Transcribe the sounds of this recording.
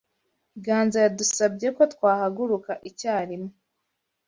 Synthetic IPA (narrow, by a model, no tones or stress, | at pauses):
ɡaːnzajadusab̚ɟe̞ko̞tkwaːhaɡuɾukaʔicaːɾimo